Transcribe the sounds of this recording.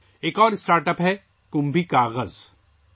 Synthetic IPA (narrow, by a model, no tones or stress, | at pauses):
eːkɔːɾɪsʈaːɾʈəpɦɛ | kʊ̃mbʱikaːɣəz